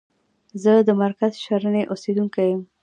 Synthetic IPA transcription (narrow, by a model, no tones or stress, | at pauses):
zəd̪əmaɾkazʃaɾəneʔosed̪uŋkajəm